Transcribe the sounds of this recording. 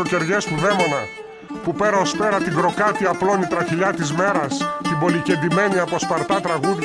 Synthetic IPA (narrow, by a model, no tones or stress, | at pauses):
oce̞ɾʝe̞spuðe̞mo̞nɐ | pupe̞ɾɐospe̞ɾɐt̪iɡɾo̞kɐt̪iɐplo̞nit̪ɾɐçiʎɐt̪izme̞ɾɐst̪ibo̞lice̞nd̪ime̞niɐpospɐɾt̪ɐt̪ɾɐɣuð